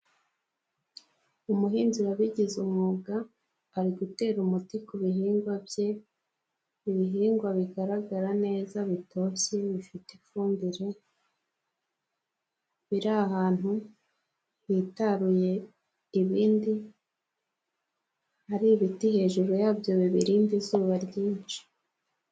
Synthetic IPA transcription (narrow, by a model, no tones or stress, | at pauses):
umuɦiːnziɾaβiɟizumŋuːɡaː | ɾiɡute̞ːɾumutikuβiɦiːŋɡwabje̞ | iβiɦiːŋɡwaβiɡaɾaɡaɾane̞ːzaβito̞ːseβifitefuːmbiɾe̞ | βiɾaahaːn̥hu | βitaɾuje̞ | iβiːndi | haɾiβitihe̞ːʒuɾojaːbjo̞βiβiɾiːndizuːβaɾɟiːnt͡ʃi̥